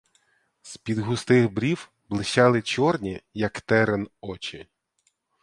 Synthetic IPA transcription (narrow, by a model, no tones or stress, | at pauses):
spʲid̪ɦʊst̪ɪxbɾʲiw | blˠɪʃɑlˠɪt͡ʃɔrnʲijɐkt̪ɛɾenɔt͡ʃɪ